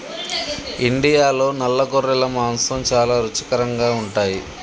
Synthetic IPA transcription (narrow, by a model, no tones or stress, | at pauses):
iɳɖijaːlo̞ːnɐlːɐɡoɾːɛlɐmaːnsɐmt͡ʃaːlaːɾut͡ʃɐkɐɾɐŋɡaːuɳʈaːji